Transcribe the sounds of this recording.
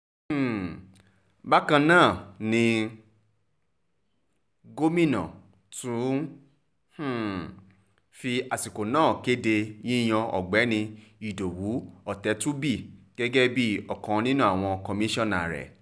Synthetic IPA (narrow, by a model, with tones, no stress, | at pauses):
h̩˨ | ba˦kã˧nãː˦˨nĩ˧ | ɡo˦mĩ˦nɔ̰̃˨ | tũ˨˦ | h̩˦˨ | fi˧a˨si˨ko˨nãː˦˨ke˦de˧jĩ˦j̃ɔ̃˧ɔ̰˨ɡ͡bɛ˨˦nĩ˧i˨do˨wu˨˦ɔ˨tɛ˨˦tũ˦bi˦˨ɡ̥ɛ˦ɡɛ˦bi˦ɔ˨kɔ̃˨˧nĩ˦nũ˦a˦˨w̃ɔ̃˧kɔ˧mĩ˦ʃɔ̃˦˨na̰˨ɾɛ̰˨